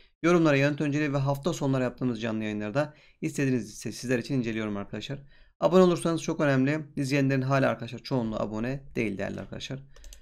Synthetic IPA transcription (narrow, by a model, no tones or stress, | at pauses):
jo̞ɾumlˠaɾajanɯt̪ʰønd͡ʒelʲivɛɦaft̪ʰaso̞nlˠaɾajap̚t̪ʰɯːmɯzd͡ʒanlˠɯjajɯnlˠaɾɯd̪a | ist̪e̞d̪inizisɛsizlʲæɾit͡ʃʰinind͡ʒeijo̞ɾumaɾkʰad̪aʃaɾ | abo̞no̞lˠuɾsanɯz̥t͡ʃʰo̞kø̞næmlʲinizɟenʲeɾinɦaːlʲaa̰ɾkad̪aʃˠaɾt͡ʃʰo̞unlˠuʔa̰bonɛd̪̥e̞jilʲd̪ejɛ̰ɾlʲḭa̰ɾkad̪aʃlˠaɾ